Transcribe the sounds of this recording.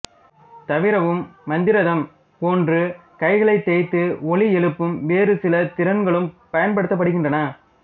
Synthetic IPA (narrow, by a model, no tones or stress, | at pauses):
t̪ɐʋɪɾɐʋɯmːɐnd̪ɪɾɐðɐm | poːndrɯ | kɐɪɣɐɭɐɪt̪ːeːt̪ːɯɔɭiɛɭɯpːɯmʋeːɾɯsɪlɐt̪ɪɾɐnɡɐɭɯmpɐjɐnpɐɽɯt̪ːɐpːɐɽɯɣɪndrɐnɐ